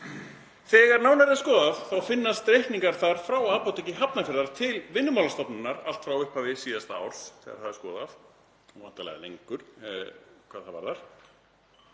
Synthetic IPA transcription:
θɛːɣaɾnaːwnaɾðɪaskɔːðafθawfɪnːast̪ɾejht̪niŋkaɾ̥θaɾ̥fɾawaːpawt̪icɪɦapnafɛɾðaɾ̥t̪ʰɪlvɪnːʏmawlast̪ɔpnʏnːaɾalt̪fɾawʏhpavɪsiːðast̪aa̰wɾ̥sθɛ̰ːɣaɾ̥θaðɪskɔ̰ːðaf | ɔvant̪alɛ̰ɣalḛjŋkʏɾ̥ | kʰvaðθava̰ɾθaɾ̥

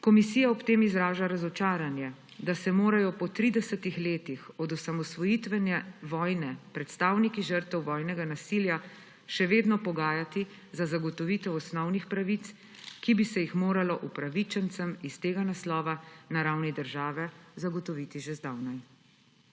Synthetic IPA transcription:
kɔmisijaɔpt̪eːmizɾaːʒaɾazɔt͡ʃaːɾanjɛ | d̪asɛmoːɾajɔpɔt̪ɾid̪ɛsət̪ixleːt̪ixɔd̪usamɔsʋɔjit̪ʋɛnjɛʋɔːjnɛpɾɛt̪st̪aːwnikiʒəɾt̪ɛwʋɔːjnɛɡanasilja | ʃɛʋeːd̪nɔpɔɡaːjat̪i | zazaɡɔt̪ɔʋiːt̪ɛwɔsnɔwnixpɾaʋit̪s | kibisɛjixmoːɾalɔʔupɾaʋit͡ʃɛnt̪səmist̪eːɡanaslɔːʋanaɾawnid̪əɾʒaːʋɛzaɡɔt̪ɔʋit̪iʒɛzd̪awnaj

